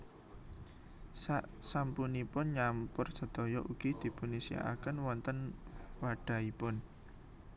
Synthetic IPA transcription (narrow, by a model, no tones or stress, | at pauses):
sasampunipʊnɲampʊrsə̤d̪̥o̤jɔʔuɡ̥id̪̥i̤punisia̰ʔa̰kənwɔnt̪ənwaɖ̥a̤ipʊn